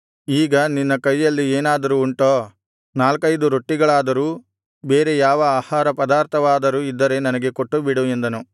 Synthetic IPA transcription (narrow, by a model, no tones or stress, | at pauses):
iːɡɐninːɐkɐjːɐlːieːnaːd̪ɐɾuːɳʈoː | naːlkɐjd̪uɾoʈːiɡɐɭaːd̪ɐɾuː | be̞ːɾe̞jaːʋɐaːhaːɾɐpɐd̪aːɾt̪ʰɐʋaːd̪ɐɾuid̪ːɐɾe̞nɐnɐɡe̞koʈːubiɽuend̪ɐnu